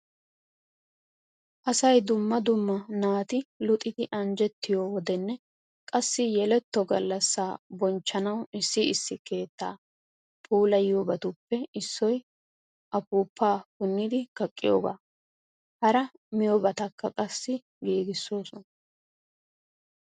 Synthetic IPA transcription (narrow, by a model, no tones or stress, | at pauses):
ʔɐsɐjd̪ʊmːɐd̪ʊmːɐnaːt̪ɪlʊt̪ʼɪd̪ɪʔɐnd͡ʒɛt̪ːɪjowɔd̪ɛnːɛ | kʼɐsːɪjɛlɛt̪ːɔɡɐlːɐsːaːbɔnt͡ʃːɐnɐwɪsːɪɪsːɪke̞ːt̪ːaː | pʰʼuːlɐjubɐt̪ʊpːɛɪsːɔj | ʔɐpuːpʰːaːkʊnːɪd̪ɪkɐkʼːɪjo̰ːɡa̰ː | hɐɾɐ | mɪjɔbɐt̪ɐkːɐkʼɐsːɪ | ɡeːɡɪsːo̞ːsɔnɐ